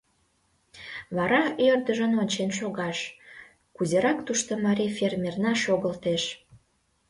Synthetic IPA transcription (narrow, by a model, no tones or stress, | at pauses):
βɑɾɑørd̪əʒənonʲt͡ɕenʃoɣɑʃ | kuzeɾɑkt̪uʃt̪omɑɾʲifʲermʲernɑʃoɣəlt̪eʃ